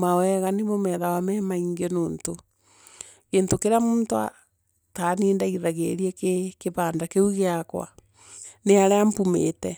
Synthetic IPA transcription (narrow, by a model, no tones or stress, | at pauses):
mawɛɣanemomɛðawamɛmaiŋɡenoːnto | ɣeːntokeɾeamuːntoa̰ | taniːndaiɾaɣeɾiɛkekeβaːndakeuɣeakwa̰ | neaɾeampumḛtɛ